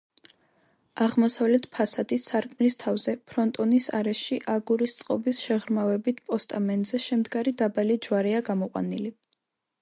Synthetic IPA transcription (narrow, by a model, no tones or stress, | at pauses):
aʁmɔsavlɛt̪ʰpʰasad̪̥isːaɾkʼmlist̪ʰavzɛpʰɾɔnt̪ʼɔnisaɾɛʃiʔaɡuɾist̪sʼqʼɔbisʃɛʁɾmavɛbit̪ʰpʼɔst̪ʼamɛnd̪zɛʃɛmd̪ɡaɾid̪abalid͡ʒwaɾɛaɡamɔqʼwa̰nili